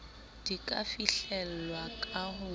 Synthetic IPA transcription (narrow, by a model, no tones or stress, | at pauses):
d̥ikʼa̰fiɬɛl̩lwakʼaɦʊ